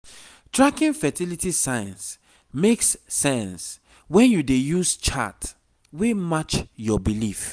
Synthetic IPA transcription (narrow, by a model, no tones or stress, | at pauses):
tɹakĩnfɛtilitisajãns | meksːɛ̃ns | wɛ̃njudejust͡ʃa̰t | wemat͡ʃjɔbilif